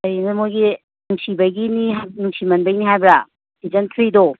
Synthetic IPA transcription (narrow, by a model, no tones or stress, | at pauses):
ɐinɐmojɡi | nuŋsibɐjɡiniɦanuŋsimɐnbɐjniɦajbɾa | id͡ʒɐntʰɾido